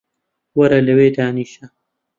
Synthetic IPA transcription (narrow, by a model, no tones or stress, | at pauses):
wɐɾɐlɐweːd̪aːniːʃɐ